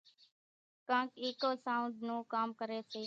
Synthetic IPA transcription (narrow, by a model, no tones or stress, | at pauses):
kãːkeːkoːsaːʊɳɖnũːkaːmkəɾeːseː